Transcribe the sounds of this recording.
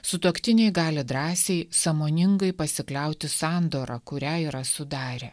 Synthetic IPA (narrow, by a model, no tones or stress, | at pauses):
sʊt̪oɔkt̪ʲɪnʲɛɪɡɑːlʲɪd̪ɾɑːsʲɛɪsɐmoːnʲɪŋɡɐɪpɐsʲɪklʲɛʊt̪ʲɪsɑːnd̪oːɾɑkʊɾʲæːiːɾɐsʊd̪ɑːɾʲɛ